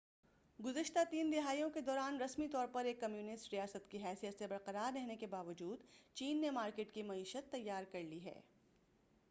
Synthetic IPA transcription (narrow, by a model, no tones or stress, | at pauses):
ɡʊzəʃt̪at̪iːnd̪ɪɦaːijõked̪ɔːɾaːnɾɐsmit̪ɔːɾpɐɾeːkːɐmjuːnɪsʈɾijaːsət̪kiɦɛːsijət̪sebɐɾqɐɾaːɾːɛɦnekebaːʋəd͡ʒuːd̪t͡ʃiːnːemaːɾkeːʈkimɐiːʃət̪ːɐjːaːɾkɐɾliɦɛ̰ː